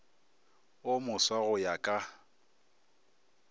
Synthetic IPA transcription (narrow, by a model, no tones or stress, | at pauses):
ʊmʊswaɣʊjakʼa